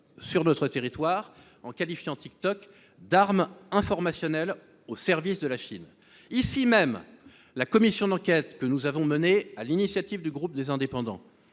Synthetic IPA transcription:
syʁnɔt̪χət̪eʁit̪waʁ | ɑ̃kalifjɑ̃t̪ʰik̚t̪ɔk | d̪aʁmɛ̃fɔʁmasjɔnɛl | osɛʁvisd̪əlaʃḭn | isimɛm | lakɔmisjɔ̃d̪ɑ̃kʲɛt̪kənuzavɔ̃mənealinisjat̪ivd̪yɡʁup̚d̪ezɛ̃d̪epɑ̃d̪ɑ̰̃

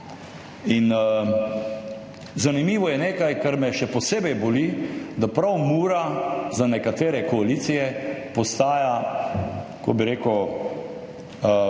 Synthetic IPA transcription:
in | zanimiːʋɔjɛneːkajkaɾmɛʃɛpɔseːbɛjbolid̪apɾawmuːɾazanɛkat̪eːɾɛkɔaliːt̪sijɛpɔst̪aːja | kɔbiɾeːkəw

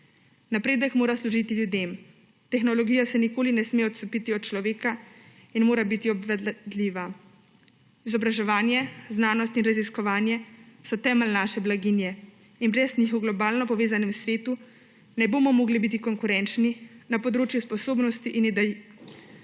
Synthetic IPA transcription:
napɾeːd̪əkmoːɾasluʒit̪iljud̪eːm | t̪ɛxnɔlɔɡijasɛnikoːlinɛsmeɔt̪sɔpit̪iɔt̪t͡ʃlɔʋeːka | inmoːɾabit̪iɔbʋɛd̪d̪liʋa | izɔbɾaʒɛʋaːnjɛznaːnɔst̪inɾaziskɔʋaːnjɛsɔt̪ɛːmɛlnaːʃɛblaɡiːnjɛ | inbɾɛzɲixɔwɡlɔbaːlnɔpɔʋeːzanɛmsʋeːt̪u | nɛboːmɔmoːɡlibit̪̬ikɔŋkuɾɛnt͡ʃninapɔd̪ɾoːt͡ʃjuspɔsoːbnɔst̪iʔinid̪ɛ

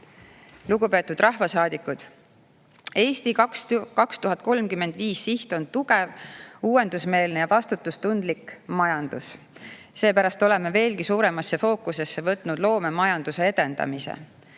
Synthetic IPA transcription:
luɡupe̞ːt̪ːˑud̪̥rɑhvɑsɑːd̪ikːˑud̪̥ | e̞ːst̪ikskɑkst̪uɦɑt̪̚ˑko̞lmkymːe̞nd̪̥viːsːiht̪o̞nt̪uɡe̞vuːwe̞nd̪̥usme̞ːlnejɑvɑst̪ut̪ːˑust̪und̪likmɑjɑnd̪̥us | se̞ːpæɾɑst̪o̞le̞me̞ve̞ːlɡisuːɾe̞mɑsːe̞fo̞ːkuse̞sːe̞vɤt̪ˑnud̪̥lo̞ːme̞mɑjɑnd̪̥use̞e̞d̪̥e̞nd̪ɑ̰misḛ

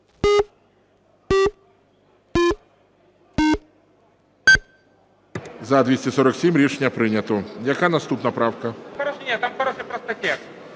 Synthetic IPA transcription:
zɐd̪ʲʋʲisʲtʲɛsɔɾɔksʲimɾʲit͡ʃnʲːɐpɾɪnʲɐt̪ɔjɐkanɐst̪upnɐpɾɑwkɐxɔɾɔʃenʲat̪amxɔɾɔʃɛpɾɐst̪ɐtʲɛ

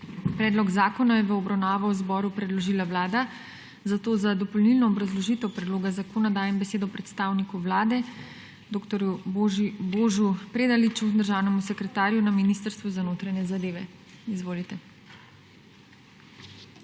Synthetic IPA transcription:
pɾɛːd̪lɔɡzaːkɔnajɛʋəɔbɾawnaːʋawzbɔɾupɾɛd̪lɔʒiːlawlaːd̪a | zat̪oːzad̪ɔpɔlnilnɔːbɾazlɔʒiːt̪ɛwpɾɛd̪loːɡazakoːnad̪aːjɛmbɛseːd̪ɔpɾɛt̪st̪aːwnikuʋlaːd̪ɛ | d̪oːkt̪ɔɾju | boːʒupɾeːd̪alit͡ʃud̪əɾʒaːwnɛmusɛkɾɛt̪aːɾjunaminiːst̪əɾst̪ʋuzanoːt̪ɾaɲɛzad̪eːʋɛ | izʋoːlit̪ɛ

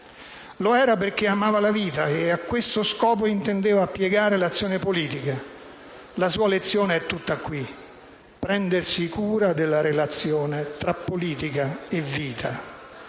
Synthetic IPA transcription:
loɛːɾaperk̟eamaːvalaviːt̪aeakːwest̪oskɔːp̬oint̪end̪eːvaːpːjɛɡaːɾelat̪sːjɔːnepoliːt̪ika | lasuːalet̪sːjɔːneɛt̪ːut̪ːakːwi | pːɾɛnd̪ersikuːɾad̪elːaɾelat̪sːjɔːnet̪ɾapːoliːt̪ikaevːiːt̪ʰa

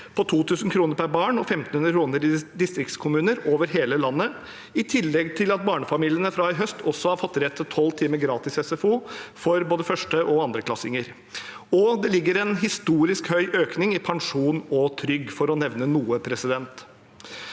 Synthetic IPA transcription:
pʰɔt̪ʰuːt̪ʰʉːsn̩kʰɾuːnəɾpʰæɾbɑːɳɔfɛmt̪n̩hʉnɾəkɾuːnəɾɪd̪ɪst̪ɾɪkt̪skʰʊmʉːnəɾoːʋəɾɦeːləlɑnːə | ɪt̪ʰɪlːɛɡt̪ʰɪlɑt̪̚bɑːɳəfɑmiːlɪənəfɾɑːɪɦœst̪ʰɔsːɔhɑɾfɔt̪ːɾɛt̪ʰːɪt̪ʰːɔlːt̪ʰiːməɡɾɑːt̪ɪsɛsɛfuːfɔɾboːd̪əfœʂʈəʔɔɑnd̪ɾəkʰlɑsɪŋəɾ | ɔd̪ɛlɪɡːəɾɛnɦɪst̪uːɾɪskhœʏʔøːknɪŋɪpʰɑŋʂuːnɔt̪ʰɾʏɡːfɔɾɔnɛʋnənuːəpʰɾɛsɪd̪ɛnt̪

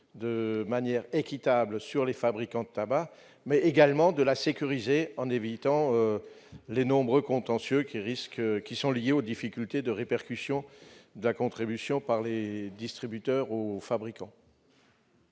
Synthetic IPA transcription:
d̪əmanjɛʁekʲit̪abləsyʁlefabʁikɑ̃d̪ət̪aba | mɛeɡalmɑ̃d̪əlasekʲyʁizeɑ̃nevit̪ɑ̃ø | lenɔ̃bʁøkɔ̃t̪ɑ̃sjøkʲiʁiskkʲisɔ̃ljeod̪ifikʲylt̪ed̪əʁepɛʁkʲysjɔ̃d̪əlakɔ̃t̪χibysjɔ̃paʁled̪ist̪χibyt̪œʁofabʁikɑ̃

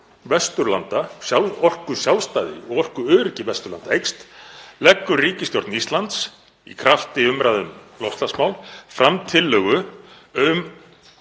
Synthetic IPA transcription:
vɛst̪ʏɾlant̪asjaɔr̥kʏsjawlst̪aːðɪ̰ɔɣɔr̥kʏœːðɾɪcɪvɛst̪ʏɾlant̪aejkst̪lɛkːʏriːcɪst̪jɔɾt̪nist̪lant̪s | ḭkʰɾaft̪ɪʏmɾaðʏmlɔhst̪lasmawlfɾamt̪ʰɪlːœːɣʏ | ʏm

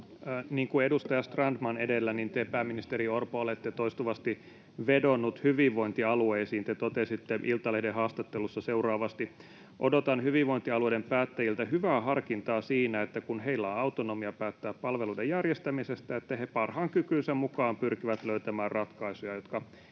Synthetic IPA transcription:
niːŋkuedust̪ɑjɑst̪rɑndmɑnedelːænint̪eːpæːmːinist̪eɾiorpoolet̪ːet̪oist̪uʋɑst̪i | ʋedonːut̪hyʋiʋʋoint̪iɑlueisiːnt̪et̪ot̪esit̪ːeʔilt̪ɑlehdehɑːst̪ɑt̪ːelusːɑseurɑːʋɑst̪i | ʔodot̪ɑnhyʋiʋʋoint̪iɑlueidempæːt̪ːæjilt̪æhyʋæːɦɑrkint̪ɑːsiːnæet̪ːækunɦeilːæɑut̪onomiɑpæːt̪ːæːppɑlʋeluidejærjest̪æmisest̪æet̪ːæhepɑrhɑːŋkykynsæmmukɑːmpyrkiʋæt̪løyt̪æmæːrrɑt̪kɑisujɑjot̪kɑ

